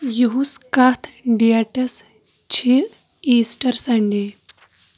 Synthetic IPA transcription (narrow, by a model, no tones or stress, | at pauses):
juɦuskat̪ʰɖijaʈɐs | t͡ɕʰi | isʈəɾsaɳɖe